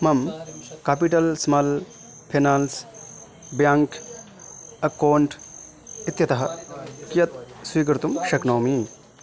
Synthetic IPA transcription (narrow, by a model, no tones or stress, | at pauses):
mɐmkaːpiʈɐlsmɐl | pʰeːnaːls | bjaːŋk | ɐkoːɳʈ | it̪jɐt̪ɐɦɐkijɐt̪swiːkɾt̪umʃɐknoːmi